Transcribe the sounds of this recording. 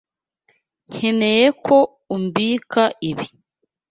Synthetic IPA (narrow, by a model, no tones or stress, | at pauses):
ŋ̥enejekʰo | umbiːkʰaʔiβi